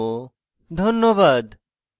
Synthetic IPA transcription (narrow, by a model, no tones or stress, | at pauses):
d̪ʱonːobad̪